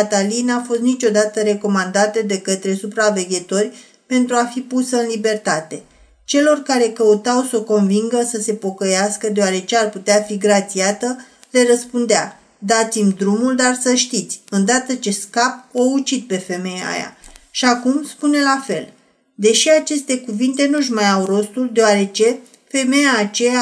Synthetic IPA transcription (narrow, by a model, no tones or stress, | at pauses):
at̪alinafo̞st̪nit͡ʃʲo̞d̪at̪əɾe̞ko̞mand̪at̪ed̪e̞kət̪ɾe̞supɾave̞ɡʲet̪o̞rʲ | pe̞nt̪ɾuafipusəɨnlibe̞rt̪at̪e̞ | t͡ʃe̞lo̞rkaɾe̞kəut̪awsoko̞nviŋɡəsəse̞po̞kəjaskəd̪eoaɾe̞t͡ʃe̞arput̪eafiɡɾat̪siat̪ə | le̞rəspund̪ea | d̪at̪simʲd̪ɾumuld̪arsəʃt̪it̪sʲɨnd̪at̪ət͡ʃe̞skap̚out͡ʃid̪̚pe̞fe̞me̞ja̰ja̰ʃiakumspune̞lafe̞l | d̪e̞ʃiat͡ʃe̞st̪e̞kuvint̪e̞nuʒmajawro̞st̪uld̪e̞oaɾe̞t͡ʃe̞ | fe̞me̞jaːt͡ʃe̞ja